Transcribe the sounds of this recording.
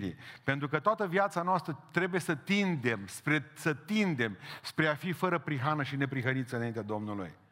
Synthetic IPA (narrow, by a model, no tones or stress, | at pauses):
ḭpe̞nt̪ɾukət̪oat̪əviat̪sanoast̪ɾət̪ɾe̞buje̞sət̪ind̪e̞mspɾesət̪ind̪e̞mspɾe̞afifəɾəpɾiɦanəʃine̞pɾiɦənit̪səɨnaint̪ead̪o̞mnulṵj